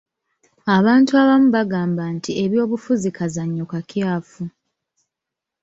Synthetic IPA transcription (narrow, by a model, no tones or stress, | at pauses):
aβaːntuaβamuβaɡaːmbantie̞βjo̞ːβufuzikazaɲːokakjaːfu